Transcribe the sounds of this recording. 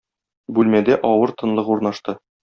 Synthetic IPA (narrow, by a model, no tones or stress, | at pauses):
bʉlmæd̪æʔɒwɤɾt̪ɤ̆nlˠɤquɾnɑʃt̪ɤ